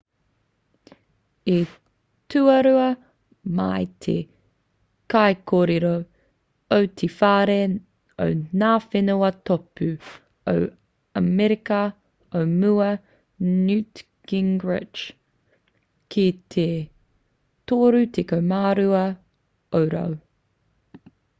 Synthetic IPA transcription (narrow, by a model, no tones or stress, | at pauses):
i | tʉɐɾʉɐ | mɐjt̪ʰḛ | kajkoːɾeɾo | owtʰifaːɾe | o̰wnaːfenoɐtopʉ | o̰w | ɐmɛɾikɐ | owmuɐ | nʉt | ɡ̥ɪŋɡɹɪ̰d͡ʒ | kʰit̪ʰe | t̪oːɾut̪ʰekowmaːɾuɐ | owɾɐ̰w